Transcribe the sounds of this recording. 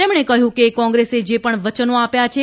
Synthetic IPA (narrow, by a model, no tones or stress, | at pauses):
emɳ̃ekəɦjũkekɔ̃ŋɡɾesed͡ʒepəɳʋət͡ʃənoapjat͡ʃʰe